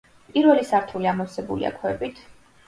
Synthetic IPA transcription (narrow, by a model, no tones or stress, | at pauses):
pʼiɾvɛlisaɾt̪ʰuliamɔsɛbṵlḭa̰kʰwɛbit̪ʰ